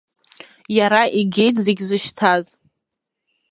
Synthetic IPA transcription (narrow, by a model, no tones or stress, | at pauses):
jaɾaʔiɡʲe̞jtʰʼzeɡʲzɨʃtʰaz